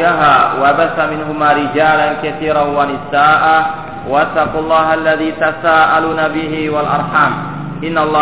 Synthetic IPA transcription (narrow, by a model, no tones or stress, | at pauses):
aɦaːwabasːamɪnɦʊmaːɾɪd͡ʒaːlankaθiːɾanwanɪsaːʔaː | wat̪ːɑqulˤːɑːɦʔalːaðiːt̪asaːʔaluːnabɪɦɪwalʔɑ̰ɾˤħaːm | ʔɪnːalˤːɑː